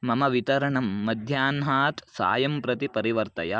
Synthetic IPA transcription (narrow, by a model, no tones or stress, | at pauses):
mɐmɐʋit̪ɐɾɐɳɐmːɐd̪ʱjaːnɦaːt̪sa̰ːjɐmpɾɐt̪ipɐɾiʋɐɾt̪ɐjɐ